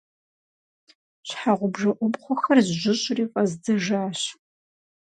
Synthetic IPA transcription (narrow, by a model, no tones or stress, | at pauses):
ɕħaʁʷʊbʒɐʔʷʊbχʷʊxɐrʑʒɪɕʼriːfʼɐzdɨʒaːɕ